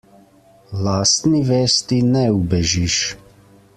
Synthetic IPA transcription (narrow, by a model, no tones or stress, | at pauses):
laːst̪niʋeːst̪inɛubɛʒiʃ